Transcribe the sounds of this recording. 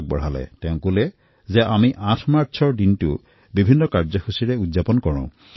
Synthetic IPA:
k̚bɔ̰ɹ̤alɛ̰tɛ̃ʊ̃kulɛ | zɛʔamiʔãtʰmaɹsʰɔɹdintʊ̰ | bibʱinːɔkaɹzɔxusiɹɛudzapɔnkɔɹɔ̰̃ʊ̃

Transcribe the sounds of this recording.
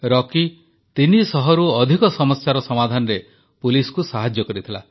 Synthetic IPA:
ɾɔki | t̪inisɔɦɔɾuɔd̪ʱikɔsɔmɔst͡ʃaɾɔsɔmad̪ʱanɔɾe | puliskusaɦad͡ʒjɔkɔɾit̪ʰila

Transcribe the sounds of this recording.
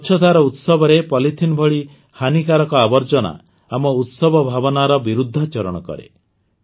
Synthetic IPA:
ʃʰɔd̪ʱaɾɔut̪sɔbɔɾepɔlit̪ʰinbʱɔɭi | hanikaɾɔkɔabɔɾd͡ʒɔna̰ | amɔut̪sɔbɔbʱabɔnaɾɔbiɾud̪ʱːat͡ʃɔɾɔɽ̃ɔkɔ̰ɾḛ

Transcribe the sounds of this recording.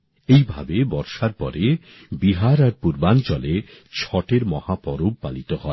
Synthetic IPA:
ejbʱa̰bebɔɾʃaɾpɔ̰ɾʔe | biɦaɾaɾpuɾbant͡ɕɔlet͡ɕʰɔʈeɾmɔhapɔɾob̚palit̪ohɔe

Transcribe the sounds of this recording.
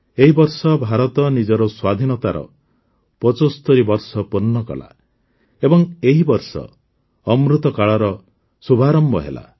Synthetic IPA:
eɦibɔɾsɔbʱaɾɔt̪ɔnid͡ʒɔɾɔswad̪ʱinɔt̪aɾɔ̰ | pɔt͡ʃost̪oɾibɔɾsɔpɔnːɔkɔ̰la̰ | ebɔŋeɦibɔɾsɔ̰ː | mɾut̪ɔkaɭɔɾɔ | subʱaɾɔmbɔɦḛla̰

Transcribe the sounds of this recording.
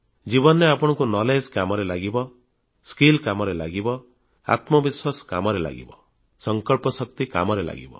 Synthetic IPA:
d͡ʒibɔneapɔɽ̃ɔŋkunɔled͡ʒkamɔɾelaɡibɔ | skilkamɔɾela̰ɡibɔ | a̰t̪mɔbiswasɔ̥kamɔɾela̰ɡḭbɔ | sɔŋkɔɭpɔsɔk̚t̪ika̰mɔɾela̰ɡḭbɔ̰

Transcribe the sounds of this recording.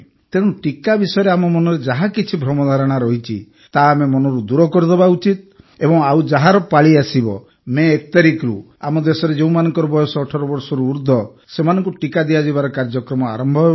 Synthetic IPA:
t̪eɽ̃uʈikabisɔjɔɾeamɔmɔnɔɾed͡ʒaɦakit͡ʃʰibʱɾɔmɔd̪ʱaɾɔɽ̃aɾɔɦit͡ʃʰḭ | t̪amemɔnɔɾud̪uɾɔkɔɾid̪ɔbaut͡ʃit̪̚ | ebɔŋaud͡ʒaɦaɾɔpaɭiasibɔ̰ | meːkɔt̪aɾikɾu | amɔd̪esɔɾed͡ʒeũmanɔŋkɔɾɔbɔjɔsɔːʈʰɔɾɔbɔɾsɔɾuːɾd̪ʱɔ | semanɔ̃ŋkuʈikad̪iad͡ʒibaɾɔkaɾd͡ʒɔkɾɔmɔa̰ɾɔmbʱɔ

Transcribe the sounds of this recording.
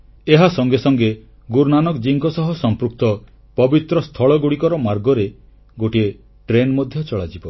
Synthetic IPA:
eɦasɔŋɡesɔŋɡe | ɡuɾnanɔkd͡ʒiŋkɔsɔɦɔsɔmpɾuk̚t̪ɔ | pɔbit̪ɾɔst̪ʰɔɭɔɡuɽikɔɾɔmaɾɡɔɾe | ɡoʈie | ʈɾenmɔd̪ʱjɔt͡ʃɔɭad͡ʒibɔ

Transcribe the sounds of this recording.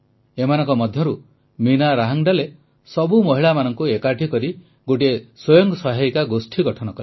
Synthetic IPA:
emanɔŋkɔmɔd̪ʱjɔɾu | minaɾaɦaŋɖale | sɔbumɔɦiɭamanɔŋkuekaʈʰikɔɾi | ɡoʈieswɔjɔŋɡsɔɦajkaɡosʈʰiɡɔʈʰɔnɔkɔle

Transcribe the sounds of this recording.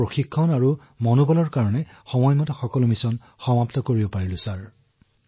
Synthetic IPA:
ɹoxikʰːɔnaɹu | mɔnubɔlɔɹkaɹɔnɛ | xɔmɔjmɔtaxɔkɔlʊmisɔn | xɔmaptɔkoɹibɔpaɹilʊsaɹ

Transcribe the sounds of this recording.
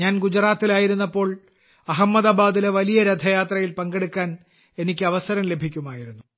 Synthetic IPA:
ɲaːnɡud͡ʑraːt̪ːilaːjiɾunːɐpːo̞ːɭ | ɐɦɐmːɐðaːbaːd̪ileʋɐlijɐɾɐd̪ʱɐjaːt̪rɐjilpɐŋɡeɽukʲːaːn | e̞nikʲːɨɐʋɐsɐɾɐmle̞bʱikʲːumaːjiɾunːu

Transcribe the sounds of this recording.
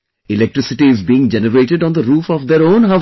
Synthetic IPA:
ɪlɛk̚ʈɾɪsɪʈiɪzbiːɪ̃ŋd͡ʒɛnəɾeːʈɪɖɔ̃ːnd̪əɾuːfɔʋd̪eɾõːnɦa

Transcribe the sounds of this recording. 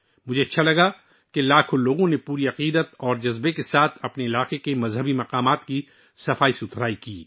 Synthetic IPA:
mʊd͡ʒʱeɐtːʃʰalɐɡa | kelaːkʰoloːɡõnepuːɾiɐqiːd̪ət̪ɔːɾd͡ʒɐzbekesaːt̪ʰɐpneɪlaːqekemɐzɦəbimɐqaːmaːt̪ki | sɐfaːisʊt̪ɾaːikiː

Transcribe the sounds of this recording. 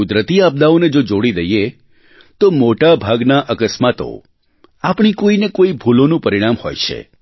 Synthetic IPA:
ʊd̪ɾət̪iab̚d̪aoned͡ʒod͡ʒoɽid̪əje | t̪omoʈabʱaɡnaʔəkəsmat̪o̰ | apɳ̃ikoinekoibʱulonũpəɾiɽ̃amho̰jt͡ʃʰḛ

